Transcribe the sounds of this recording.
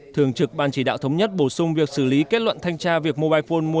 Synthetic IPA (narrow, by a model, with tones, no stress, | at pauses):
t̪ʰɨ˨˩əŋt͡ɕɨ˨˩k̚ɓaː˧nt͡ɕi˧˩ɗa̰ː˧˨wt̪ʰə˨˦wɲə˦˥t̚ɓo˧˩sʊ˧ŋ͡mvi˨˩ək̚sɨ˧˩li˨˦ke˦˥t̚lwə̰˧˨nt̪ʰa˧jŋt͡ɕaː˧vi˨˩ək̚mo˧ɓaː˧jfo˧nmu˧ə